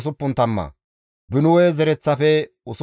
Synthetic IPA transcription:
s̬ʊpːʊnt̪ɐmːɐ̰ | bɪnʊwɛːzɛɾɛt͡sːɐfɛ | ʊs

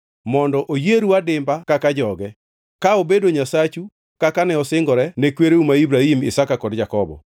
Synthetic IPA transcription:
mɔndɔʔojeɾuadɪmbakakad͡ʒɔɡɛ | kaobedoɲasat͡ʃu | kakanɛɔsɪŋɡɔɾɛnekweɾeumaibɾahimɪ̰sakakɔdd͡ʒakɔbɔ̰

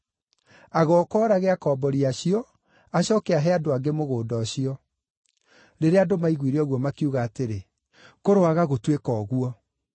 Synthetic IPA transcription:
aɣɔkɔːɾaɣɛakɔːbɔɾiaɕiɔ | aɕɔːkɛaɦɛadoaɡemoɣoːdɔɕiɔ | ɾeɾeadomaiɣwiɾeɔɣwɔmakiuɣaːteɾe | koɾoaɣaɣotwekɔːɣuɔ

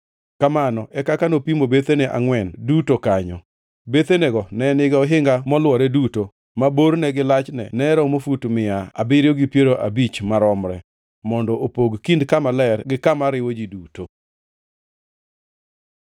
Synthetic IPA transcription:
kamanɔʔɛkakanopimobet̪eneʔa̰ŋwɛndutokaɲɔ̰ | bet̪eneɡɔnɛnɪɡaoɦɪŋɡamɔlwɔɾɛduto | maboɾnɛɡɪlat͡ʃnɛ̰nɛɾɔmofutmɪaa̰bɪɾjoɡipjeɾoʔabit͡ʃmaɾɔmɾɛ̰ | mɔndɔʔopoɡkindkamalɛrɡɪkamaɾɪwod͡ʒiduto

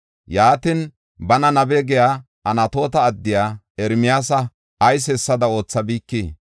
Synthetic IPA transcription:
jaːt̪ɪn | bɐnɐnɐbɛɡɛjaː | ɐnɐt̪o̞ːt̪ɐːd̪ːɪjaː | ɛɾmɪjaːsɐ | ɐjs̬ɛsːɐd̪ɐo̞ːt͡sːɐbiːkːiː

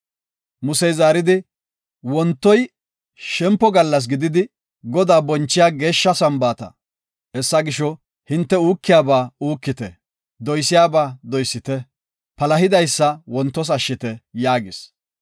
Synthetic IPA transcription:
mʊsɛjzaːɾɪd̪ɪ | wɔnt̪ːɔj | ʃɛmpːɔɡɐlːɐs̬ɡɪd̪ɪd̪ɪ | ɡɔd̪aːbɔnt͡ʃːɪjaːɡe̞ːʃːɐsɐmbaːt̪ɐ̰ | hɛsːɐɡɪʃɔ | hɪnt̪ːɛuːkːɪjaːbaːuːkːɪt̪ɛ | d̪ɔjsɪjaːbaːd̪ɔjsːɪt̪ɛ | pɐlɐɦɪd̪ɐjsːɐwɔnt̪ːɔs̬ɐʃːɪt̪ɛjaːɡɪs

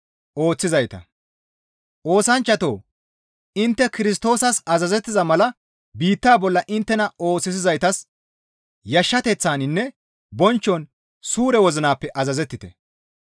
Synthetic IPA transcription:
ʔo̞ːt͡sːɪzɐjt̪ɐ̰ | ʔo̞ːsɐnt͡ʃːɐt̪o̰ː | ɪnt̪ːɛkɪɾɪs̬t̪o̞ːsɐsɐzɐzɛt̪ːɪzɐmɐlɐ | biːt̪ːaːbɔlːɐʔɪnt̪ːɛnɐo̞ːt͡sːɪs̬ɪzɐjt̪ɐs | jɐʃːɐt̪ɛt͡sːaːnɪnːɛ | bɔnt͡ʃːɔn | suːɾɛwɔzɪnaːpːɛʔɐzɐzɛt̪ːɪt̪ɛ

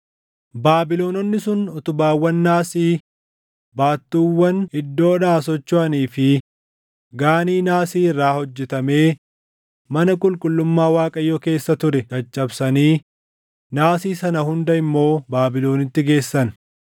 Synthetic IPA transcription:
baːbɪlo̞ːnɔnːɪsʊnɔt̪ʊbaːwːɐnːaːsiː | baːt̪ːuːwːɐnɪd̪ːo̞ːᶑaːsɔt͡ʃːʊɐniːfɪ | ɡaːniːnaːsiːɪrːaːhɔd͡ʒːɛt̪ɐmeː | mɐnɐkʼʊlkʼʊlːʊmːaːwaːkʼɐjːoːke̞ːsːɐt̪ʊɾɛd͡ʒɐt͡ʃʼːɐbsɐniː | naːsiːsɐnɐhʊnd̪ɐɪmːo̞ːbaːbɪlo̞ːnɪt̪ːɪɡe̞ːsːɐn

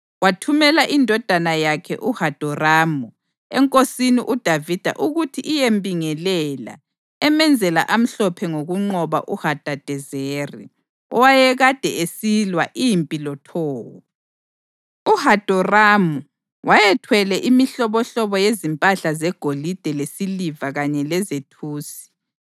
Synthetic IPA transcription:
watʰumɛlaʔindʱɔd̥ʱanajakʰɛ̰ʔuhad̥ʱɔraːmu | ɛ̰ŋkʼosiniʔud̥ʱavid̥ʱa̰ʔuɣutʰiʔːjembʱiŋɛlɛla̰ | ɛmɛnd͡zʱɛla̰ʔam̩ɬɔpʰɛŋoɣuŋ͡ǃɔβa̰ʔuhad̥ʱad̥ʱɛzerḭ | ɔwajɛɣad̥ʱɛesilwaʔijimpʼilɔtʰɔːwɔ | uhad̥ʱɔramu | wʔajɛtʰwɛlɛʔimiɬɔβɔɬɔβɔjezimpʼaɬazɛɡ̥ʱolid̥ʱɛlesilivaɣaɲɛlɛzetʰuːsi̥

